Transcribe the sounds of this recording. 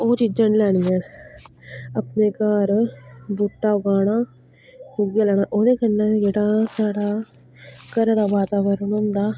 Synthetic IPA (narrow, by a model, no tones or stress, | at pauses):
oːt͡ʃɪd͡ʒənlɛːɽ̃iːjɛ̃ː | əpneːkaːɾbʊʈːaːʊɡaːɽaː | kuɡjaːlɛːɽ̃aːʔoːd̪eːkənːãːd͡ʒeːɽaːsaːɽaː | kəɾd̪aːʋaːt̪aːʋəɾənõːnd̪aː